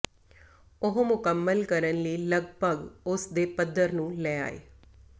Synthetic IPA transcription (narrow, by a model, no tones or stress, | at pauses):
ʊɦmʊkəmːəlkəɾənləiːləɡbʱəɡʊsd̪eːpəd̪əɾnũːlɛːa̰ːḛː